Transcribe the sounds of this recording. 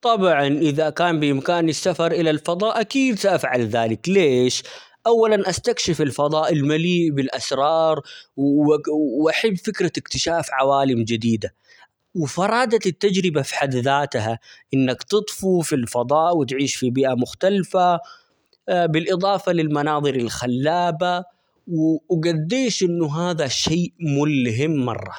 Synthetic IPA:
t̪ˤɑbʕɑnʔɪðakaːmbɪʔɪmkaːnɪsːafɑɾˤʔɪlalfɑd̪ˤɑːʔakiːd̪saʔafʕalðaːlɪkleːʃ | ʔawːalanʔast̪akʃɪfɪlfɑd̪ˤɑːʔɪlmaliːʔbɪlʔasɾˤɑːɾˤwwʔaħabːfɪkɾaɪkt̪ɪʃaːfʕawaːlɪmd͡ʒɪd̪iːd̪a | wɪfɑɾˤɑːd̪aɪt̪ːad͡ʒɾɪbafi̥ħad̪ðaːt̪ɦaʔɪnːakt̪ɨt̪ˤfufilfɑd̪ˤɑːʔwɪt̪ʕiːʃfibiːʔamʊxt̪alfa | bɪlʔɨd̪ˤɑːfɑlɪlmɑnɑːðˤɨɾɪlxalːaːba | wwɡad̪ːeːʃʔɪnːʊɦaːðaʃeːʔmʊlɦɪmːɑ̰rˤːɑ̰

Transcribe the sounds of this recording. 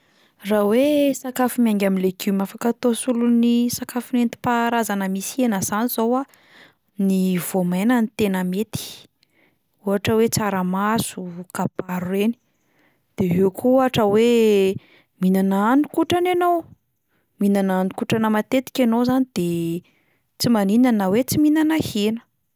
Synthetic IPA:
rawesakafumiaŋɡʲamileɡymafakat̪osulunisakafunent̪i̥paɾazanəmisenəzaniz̥owa | nivomajnanit̪enəmet̪i̥ | uɦaʈ͡ʂəwet͡saɾəmasukapaɾueni̥ | d̪̥eɦewkʰuuaʈ͡ʂəwe | minanaanikuʈ͡ʂananow | minananikuʈ͡ʂanəmat̪et̪i̥kʲanowzanid̪̥e | t͡simaninanəwet͡siminanahenə̥

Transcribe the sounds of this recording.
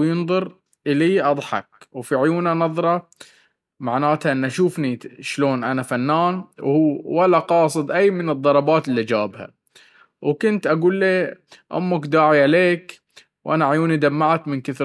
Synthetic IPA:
jɨnðˤʊɾ | ʔɪliːʔɑd̪ˤħɑ̰k̚wfiʕʊjuːnanɑðˤɾˤɑ | maʕnaːt̪aʔɪnːʔaʃuːfniʃloːnʔanafanːaːnwhuːwalːaqɑːsˤɨd̪ˤʔajːmɪnɨd̪ˤːɑɾˤɑbɑːt̪ɪlːiad͡ʒaːbha̰ | wkʊnt̪ʔaɡuːlːeːʔʊ̰mːʊkd̪aːʕiʕaleːk | wʔanaʕjuːnid̪amːaʕat̪mɪnkɪθ

